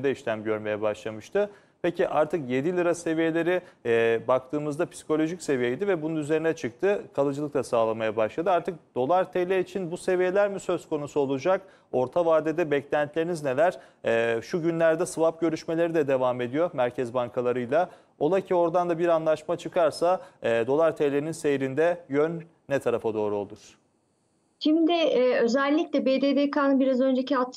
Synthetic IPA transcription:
d̪ɛiʃlʲæmɟøɾme̞jɛbaʃlˠamɯʃt̪ɯ | pʰe̞ciʔaɾt̪ʰɯkjed̪ilʲɯɾase̞vije̞lʲe̞ɾibak̚t̪ʰɯːmɯzd̪apʰi̥si̥kʰo̞lʲo̞ʒicse̞vijejd̪ivɛbununyze̞ɾinɛt͡ʃʰɯk̚t̪ʰɯkʰalˠɯd͡ʒɯlˠɯklˠasaːlˠamajabaʃlˠad̪ɯaɾt̪ʰɯk̚d̪̥o̞lˠaɾt̪ʰejlʲeit͡ʃʰinbuse̞vije̞lʲæɾmisø̞zko̞nusuo̞lˠud͡ʒak̚ | o̞ɾt̪ʰavaɾd̪ed̪ɛbɛclʲænt̪ʰlʲe̞ɾinizne̞lʲæɾ̥ | ɛʃuɟynlʲæɾd̪ɛsɯvap̚ɟø̞ɾyʃme̞lʲe̞ɾid̪ɛd̪e̞vaːme̞d̪ijo̞mæɾcʰɛzbaŋkʰalˠaɾɯjlˠa | o̞lˠacʰio̞ɾd̪and̪abiɾanlˠaʃmat͡ʃʰɯkʰaɾsaɛːd̪o̞lˠaɾt̪ʰejlʲeɾininse̞jɾind̪ɛjønː | ɛt̪ʰaɾafad̪o̞ːɾuo̞̰lˠuɾ̥ | ʃimd̪ɪɛːø̞zɛlʲːiclʲɛbeːd̪eːd̪ekaːnɯbiɾazø̞nd͡ʒeciat̪

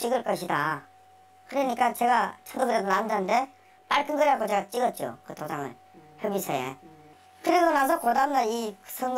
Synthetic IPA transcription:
t͡ɕ͈iɡɯɭk͈ʌɕʰida̰ | kɯɾʌɲik͈at͡ɕe̞ɡat͡ɕʰʌmdokɯɾedonandannde̞ | p͈aɭkʰɯnɡʌɾɦakʰot͡ɕe̞ɡat͡ɕ͈iɡʌt̚t͡ɕ͈o̰kɯtʰod͡ʑaŋɯ̰ɭ | çjʌbisʰʌ̰jḛ | kɯɾeɡonasʰʌkodamndaisʰʌŋɡ

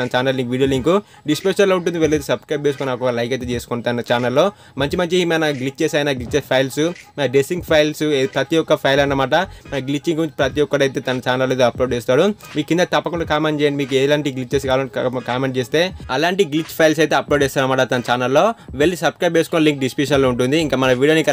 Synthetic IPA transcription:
t̪ɐnɐt͡ʃaːnɐlːiŋkʋiːɽijoːliŋku | ɖispeʂɐnloːuɳʈund̪iʋelːet̪esɐbskɾɐjp̚t͡ʃeːsukoninaːkɔkɐlɐjket̪et͡ʃeːsukunt̪ɐnɐt͡ʃaːnɐlːo̞ː | mɐɲt͡ʃimɐɲt͡ʃimanaɡlit͡ʃːt͡ʃeːsaːjɐnaːɡlit͡ʃːt͡ʃepʰɐjlsumɐɐɖesiŋɡpʰɐjlsepɾɐt̪ijɔkːɐpʰɐjlɐnːɐmaːʈɐmɐnɐɡlit͡ʃːiŋɡkuɾuɲt͡ʃipɾɐt̪ijɔkːɐɽɐjt̪e̞ːt̪ɐnɐt͡ʃaːnɐlːojt̪eɐploːɖt͡ʃeːs̬t̪ːaːɽumiːkukːind̪ɐt̪ɐpːɐkuɳɖakaːmeɳʈt͡ʃɛjaɳɖimiːk̬ueːlaːɳʈiɡlit͡ʃːt͡ʃeːs̬ikaːlɐkaːmeɳʈ̚t͡ʃeːst̪e̞ːɐlaːɳʈiɡlit͡ʃːpʰɐjls̬ɐjt̪̬e̞ːɐploːɖeːst̪aɐnɐmaːʈɐt̪ɐnɐt͡ʃaːnɐlːo̞ːʋeɭːisɐbskɾɐjp̬̚t͡ʃeːsu̥konːɐliŋk̚ɖispiʃɐnloːuɳʈund̪iːŋkaːmɐnɐʋiːɽioːniŋk

